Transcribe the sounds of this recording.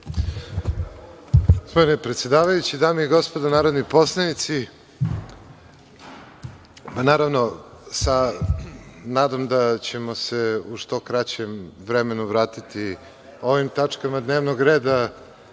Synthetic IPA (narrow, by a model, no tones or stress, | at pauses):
spomenepɾet̪sjed̪aːʋajut͡ɕid̪aːmiiɡo̞spod̪anaːɾod̪nipo̞slˠanit̪si | panaːɾavno̞sa | naːd̪amd̪at͡ɕe̞mo̞se̞uʃt̪o̞kɾat͡ɕemʋɾeme̞nuʋɾaːt̪it̪i | o̞ʋimt̪at͡ʂkamad̪ne̞ːʋnoɡɾe̞ːd̪a